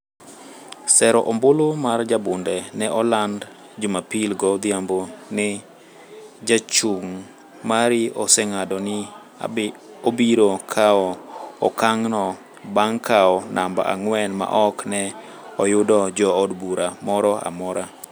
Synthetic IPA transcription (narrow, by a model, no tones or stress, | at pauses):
sɛɾɔʔɔmbolomard͡ʒabʊndɛnɛʔɔland | d͡ʒʊmapilɡɔd̪jambonɪ | d͡ʒat͡ʃuŋ | maɾɪɔsɛŋadɔnɪ | obiɾokʰaɔɔkaŋnɔ | baŋkʰaɔnʔamba̰ʔa̰ŋwɛnma̰ʔɔknɛ | ɔjʊdɔd͡ʒɔːdbuɾamɔɾɔa̰mɔɾa